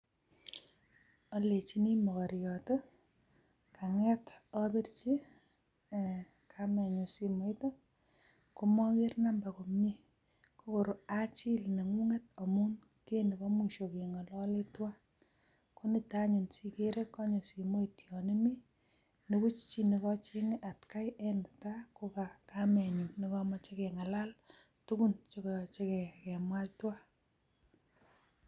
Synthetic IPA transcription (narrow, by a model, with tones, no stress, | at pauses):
ɔ˦le˨t͡ʃi˦ni˦mɔ˨kɔ˨ɾjɔto | kʰa˨ŋɛ˦tɔ˦be˦rt͡ʃi˦ | kʰamɛ˨ɲo˨si˨mo˨˦ito˦ | ko˦mɔ˦ŋe˦rna˦mba˨ko˨mɲi˦ | ko˦ko˨ɾo˨a˦t͡ʃi˦lne˨ŋu˦ŋe˦to˨mu˦n | ke˦ne˨bɔ˦mwi˨ʃo˨ke˨ŋɔ˨lɔ˦le˦twa˦ | ko˦ni˦taɲu˨nsi˦ke˦ɾe˦kːɔ˦ɲɔ˨si˨mo˦i˨tjɔ˨ni˦mi˦ | ne˦ku˦t͡ʃt͡ʃi˦nikɔ˦t͡ʃi˦ŋ˦ʔa˨tka˦jɛnʊ˨ta˦ko˦ka˨kamɛ˨ɲu˨ni˦kɔ˦mɔ˦t͡ʃe˦ke˨ŋa˨la˦l | tu˦ku˦nt͡ʃo˦kɔ˨t͡ʃe˦kɛ˨kɛ˨mwa˦ltwa˦